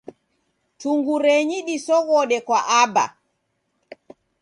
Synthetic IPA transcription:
tuŋɡuɾɛɲiɗisɔɣɔːɗɛkwaʔaba̰

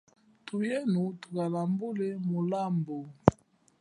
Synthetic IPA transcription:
tujɛnutukalambulɛmolambo

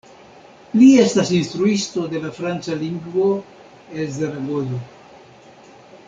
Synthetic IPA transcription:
lie̞stasinst̪ɾuisto̞de̞lafɾant͡saliŋɡvo | elzeɾaɡono

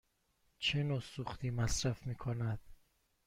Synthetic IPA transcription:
t͡ʃʰenosuxt̪ʰiːmæsɾæfmiːkʰonæd̪̥̚

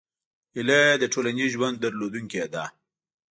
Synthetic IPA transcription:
iled̪əʈʰolaniʒwand̪̚ːəɾlod̪uŋked̪a

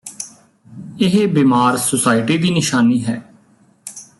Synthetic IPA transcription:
ɪɦbiːmaːɾsʊsaːɪʈiːd̪iːnɪʃaːniːɦɛː

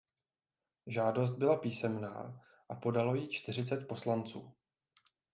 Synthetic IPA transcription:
ʒaːdo̞s̬t̪̚bɪlapiːsɛmna̰ː | ʔapo̞dalo̞jit͡ʃt̪ɪr̝ɪt͡sɛt̪̚po̞slant͡sṵː

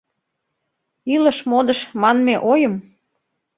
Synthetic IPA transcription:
ilə̆ʃmod̪əʃmɑnmeʔojəm

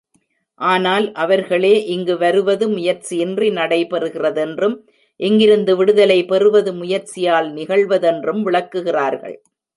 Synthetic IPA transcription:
ʔaːnaːlʔɐʋɐɾɣɐɭeːʔɪŋɡɯʋɐɾɯʋɐðɯmʊjɐɾt͡ʃiɪndrinɐɽɐɪpɛɾɯɣɪrɐðɛndrɯm | ʔɛŋɡɪɾɯnd̪ɯʋɪɽɯðɐlɐɪpɛrɯʋɐðɯmʊjɐɾt͡ʃɪjaːlnɪɣɐɭʋɐðɛndrɯmʋɪɭɐkːɯɣɪraːɾɣɐ̰ɭ

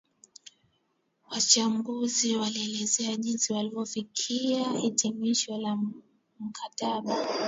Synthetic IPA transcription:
wat͡ʃambuziwaliɛlɛzɛaʄinsiwalivɔfikʰiaitimiʃɔla | m̩kʰataɓa

